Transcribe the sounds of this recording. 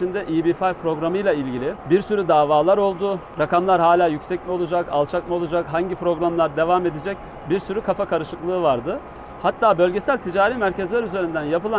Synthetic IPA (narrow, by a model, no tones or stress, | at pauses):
ind̪ɛʔiːbifajpʰɾo̞ɡɾamɯjlˠailʲɟilʲɪbiɾsyɾyd̪aːvaːlˠaɾo̞lˠd̪uɾakʰamlˠaɾɦaːlʲaːjycʲsɛcmiolˠud͡ʒaka̰lˠt͡ʃʰakmiolˠud͡ʒakɦaɲɟipʰɾo̞ɡɾamlˠaɾd̪e̞vame̞d̪ed͡ʒɛc | biɾsyɾykʰafakʰaɾɯʃɯklˠɯːvaɾd̪ɯ | hat̪ʰːaːbø̞lʲɟe̞sælʲt̪ʰid͡ʒaːɾiːmæɾcezlʲæɾyze̞ɾind̪ænjapɯlˠa